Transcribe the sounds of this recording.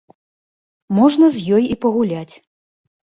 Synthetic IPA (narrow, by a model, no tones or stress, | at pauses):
mɔʐnɐzʲjɔjipɐɣulʲat͡sʲ